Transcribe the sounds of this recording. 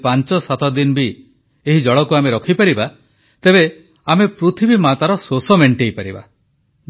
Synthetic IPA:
paɲt͡ʃɔsat̪ɔd̪inbi | eɦid͡ʒɔɭɔkuameɾɔkʰipaɾiba | t̪eβe | amepɾut̪ʰibimat̪aɾɔsosɔmeɳʈejpaɾiba̰

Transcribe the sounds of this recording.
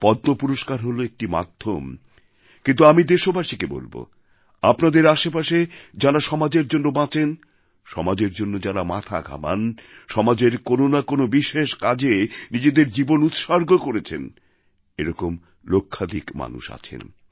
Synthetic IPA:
pɔd̪nopuɾoʃkaɾɦoloek̚ʈima̰d̪ʱːom | kint̪̬uamid̪eʃobaʃikebo̰lbo̰ | apnad̪eɾaʃepaʃed͡ʑaɾaʃɔmad͡ʑeɾd͡ʑonːobãt͡ɕen | ʃɔmad͡ʑeɾd͡ʑonːod͡ʑaɾamat̪ʰa̰ɡʱa̰ma̰nʃɔmad͡ʑeɾkononakonobiʃeʃkad͡ʑenid͡ʑed̪eɾd͡ʑibonut̪ʃaɾɡokoɾet͡ɕʰḛn | eɾɔkom | lokʰːad̪ikma̰nṵʃa̰t͡ɕʰḛn

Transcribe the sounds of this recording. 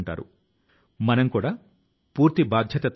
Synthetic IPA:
ɳʈa̰ːɾṵ | mɐnɐmkuːɽa | puːɾt̪ibaːd̪ʱjɐt̪ɐt̪

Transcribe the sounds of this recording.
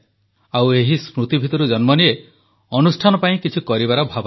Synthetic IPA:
aweɦismɾut̪ibʱit̪ɔɾud͡ʒɔnmɔnie | ɔnusʈʰanɔpaĩkit͡ʃʰikɔɾibaɾɔbʱabɔ

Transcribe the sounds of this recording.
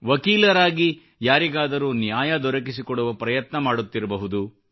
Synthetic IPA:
ʋɐkiːlɐɾaːɡi | jaːɾiɡaːd̪ɐɾuːnjaːjɐd̪ɔɾɐk̬isikɔɽuʋɐpɾɐjɐt̪nɐmaːɽut̪ːiɾɐbɐɦud̪u

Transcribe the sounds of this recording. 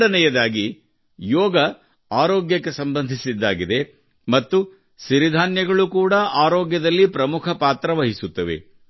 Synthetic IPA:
ɽɐnɛjɐd̪aːɡi | jɔːɡɐ | aːɾɔːɡjɐkːesɐmbɐnd̪ʱisid̪ːaːɡid̪e̞ | mɐt̪ːu | ʃiɾid̪ʱaːnjɐɡɐɭukuːɽɐʔaːɾɔːɡjɐd̪ɐlːipɾɐmukʰɐpaːt̪ɾɐʋɐɦisut̪ːɐʋḛ

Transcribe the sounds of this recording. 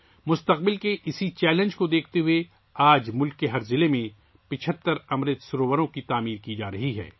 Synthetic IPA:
mʊst̪əq̚bɪlkeʔɪsit͡ʃɛːlə̃nd͡ʒkod̪eːk̚ʰt̪eɦʊe | aːd͡ʒmʊlkːeɦɐɾzɪlemẽ | pɪt͡ʃʰət̪ːəɾɐmɾɪt̪sʊɾoːʋəɾõkit̪aːmiːɾkid͡ʒaːɾɐɦiɦɛ̰ː

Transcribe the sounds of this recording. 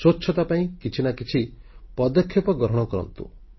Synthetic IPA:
sot͡ʃːt͡ʃʰːɔt̪apaĩkit͡ʃʰinakit͡ʃʰipɔd̪ɔkʰjɔpɔɡɔɾɦɔɽ̃ɔkɔɾɔ̰nt̪ṵ

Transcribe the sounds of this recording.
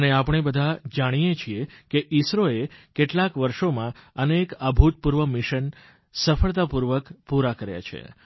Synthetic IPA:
əneapəɳ̃ebəd̪ʱad͡ʒaɽ̃ijet͡ʃʰiekeʔisɾoekeʈlakʋəɾʃomãənekabʱut̪̚puɾʋəmiʃən | səfəɭt̪apuɾʋəkpuɾakəɾja̰t͡ʃʰḛ

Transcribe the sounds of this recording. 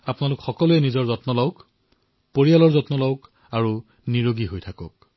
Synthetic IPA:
apnalʊkxɔkɔluɛnizɔɹzɔtnɔlɔwk | poɹijalɔɹzɔtnɔlɔwk | aɹu | niɹoɡiɦojtʰakɔ̰k̚

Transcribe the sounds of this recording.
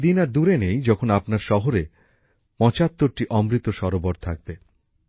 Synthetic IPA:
d̪inaɾd̪uɾenejd͡ʑɔkʰonapnaɾʃɔɦoɾe | pɔ̃t͡ɕat̪ːoɾʈiʔɔmɾit̪oʃɔɾoboɾt̪ʰak̚be

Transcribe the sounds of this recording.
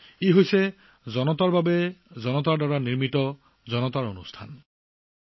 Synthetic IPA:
iɦojse | zɔnɔt̪aɹbabezɔnɔt̪aɹdaɹaniɹmitɔ | zɔnɔt̪aɹo̰nṵstʰan

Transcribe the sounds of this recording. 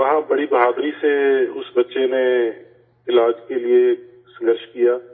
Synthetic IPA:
ʋɐɦãbɐɽibɐɦaːd̪ɾiseʊsbɐtːʃene | ɪlaːd͡ʒkelie | sɐ̃ŋɡəɾʃkijaː

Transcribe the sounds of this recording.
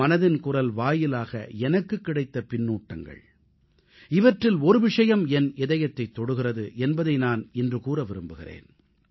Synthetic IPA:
ɐnɐðɪnkʊrɐlʋaːjɪlaːɣɐ̰ɛnɐkːɯkːɪɽɐɪt̪ːɐpɪnːuːʈːɐŋɡɐ̰ɭ | ɪʋɐʈrɪlɔɾɯʋɪʂɐjɐmɛnɪðɐjɐt̪ːɐɪt̪ːɔɽɯɣɪrɐðɯʔɛnbɐðɐɪnaːnɪndrɯkuːrɐʋɪɾɯmbɯɣɪ̰rḛːn

